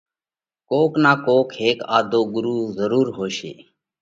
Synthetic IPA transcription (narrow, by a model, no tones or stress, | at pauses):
koːknaːkoːkheːkaːd̪oːɡʊɾuːzəɾuːɾɦoːʃḛː